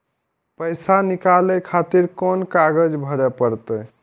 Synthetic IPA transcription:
pəjsanikalekʰat̪iɾkɔnkaɡəd͡ʒbʱəɾɛpəɾt̪ə

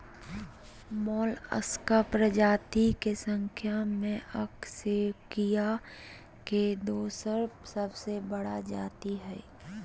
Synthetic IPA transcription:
mɔːlə̰skapɾəd͡ʒaːt̪ikesə̃ŋkʰjamẽɐksekija | ked̪oːsəɾsəbsebəɽad͡ʒa̰ːt̪iɦɛ̰ː

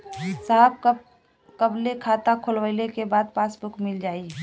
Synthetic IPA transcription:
saɦb | kəblekʰaːt̪akʰolwəɪlekebaːd̪̚paːsbʊkmɪld͡ʒaːi

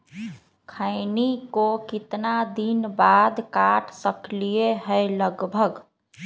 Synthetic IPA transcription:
kʰaɪnikokɪt̪nad̪inbaːd̪kaːʈʰsəklieɦɛeləɡbʱəɡ

